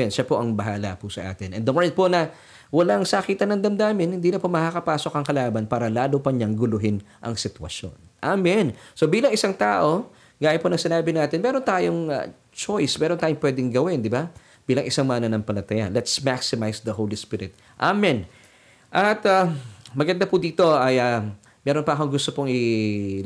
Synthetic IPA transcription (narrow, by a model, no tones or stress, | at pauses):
ɛnʃapo̞ʔɐŋbɐɦaːlɐpʊsɐʔa̰ːt̪ɪnʔɛ̰nd̪ɐmoɹnɪn̚po̞nɐ | wɐlaŋsaːkit̪ɐnɐŋd̪ɐmd̪aːmɪnhɪnd̪iːnɐpomɐkakɐpaːso̞kɐŋkɐlaːbɐnpaːɾɐlaːlopɐɲɐŋɡʊlʊɦɪnʔɐ̰ŋsɪt̪wɐ̰ʃjo̞̰nʔamɪnso̞biːlɐŋʔɪsaŋt̪aːʔo̞ | ɡaːjɐponɐŋsɪnaːbɪnaːt̪ɪnmɛːɾo̞nt̪aːjoŋ̰ | t͡ʃojsmɛːɾont̪aːjoŋpwɛːd̪ɪŋɡɐwɪnd̪ɪba | b̥iːlɐŋʔɪsaŋmaːnɐnɐŋpɐlɐt̪ɐja̰lɛt̪smaksɪmajsd̪ɐhowlispɪɾɪ̰t̪̚ | ʔamɪn | ʔɐt̪ɐmɐɡɐnd̪apʊd̪iːt̪o̞ʔɐjɐ | mɛːɾo̞npɐʔɐko̞ŋɡʊst̪opoŋɪ